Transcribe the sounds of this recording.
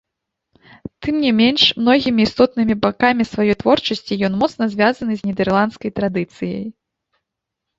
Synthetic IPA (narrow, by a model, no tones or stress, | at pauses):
t̪ɨmnʲimʲenʂmnɔɣʲimʲiːst̪ɔt̪̚nɨmʲibakamʲisvajɔjt̪vɔrt͡ʂɐsʲt͡sʲijɔnmɔt̪snɐzʲvʲazɐnɨzʲnʲɛd̪ɛrlˠant̪skɐjt̪ɾad̪ɨt̪sɨjɐ̰j